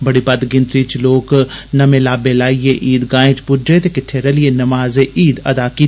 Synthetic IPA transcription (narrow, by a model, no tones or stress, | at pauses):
bɐɽibɐd̪ɡɪ̃nt̪ɾit͡ʃloːknɐmeːlaːbeːlaːijeʔiːd̪ɡaːẽːt͡ʃpʊd͡ʒet̪ekɪʈʰːeɾɐlienɐmaːzeʔiːd̪ɐd̪aːki